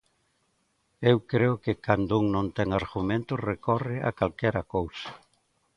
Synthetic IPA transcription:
ewkɾeʊkɪkand̪ʊuŋnõnt̪ɛŋaɾɣumẽnt̪ʊrekɔrɪʔa̰kalkɛɾɐkowsɐ̥

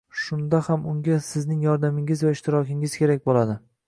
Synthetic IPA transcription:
ʃʊnd̪ahamʊŋɡʲasɪznɪŋjɒɾd̪amɪŋɪzvaɪʃt̪ʰɪɾɒkʲɪŋɪz̥kʲe̞ɾakʲbolad̪ɪ

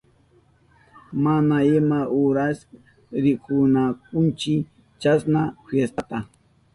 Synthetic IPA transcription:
manaɪmaʔʊɾas | ɾɪkʊnak̚ʊnt͡ʃɪ | t͡ʃasnafjest̪at̪a

